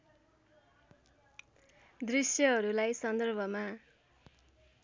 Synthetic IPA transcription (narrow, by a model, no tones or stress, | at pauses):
d̪risjʌɦʌɾulajsʌnd̪ʌrbʱʌma